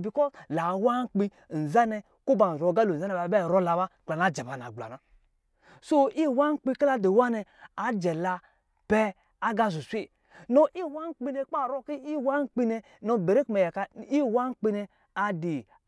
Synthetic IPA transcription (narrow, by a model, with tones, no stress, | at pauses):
bi˨kɔ˦zla˨wa˦ŋ˦k͡pi˦˨n̩˨za˦nɛ˨ | ko˦ba˨zo˨ɡa˦lo˨a˦nɛ˨ba˨bɛ˦˨ɾɔ˦la˨ba˦˨k͡pla˨n˨a˨˦d͡ʒɛ˨ba˨n˨a̰˨ɡ͡bla̰˨na˨ | so˦i˦˨wa˦ŋ̩˦k͡pi˦ka˦la˨de˨wa˦nɛ˧a˨d͡ʒɛ˨la˧ | pɛ˦ | a˦ɡa˦˨zu˨sʷi˦˨ | nɔ˨ʔi˦˨wa˦ŋ˦k͡pi˦nɛ˨k͡pa˦˨ɾɔ˦ki˦i˦wa˦ŋ̩˦k͡pi˦nɛ˧ | nɔ˨be˨ɾe˦kmɛ˨ja˨ka˦˨i˦˨wa˦ŋ̩˦k͡pi˦nɛ˧ | a˨di˨